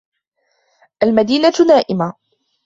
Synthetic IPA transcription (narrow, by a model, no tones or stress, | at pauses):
ʔalmad̪iːnanaːʔɪma